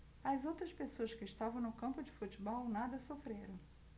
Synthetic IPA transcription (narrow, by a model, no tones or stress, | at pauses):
ɐzowt̪ɾɐspesoɐskɪɪst̪avɐ̃w̃nʊkɐ̃mpʊd͡ʒɪfut͡ʃibɔwnad̪ɐsofɾeɾɐ̃w̃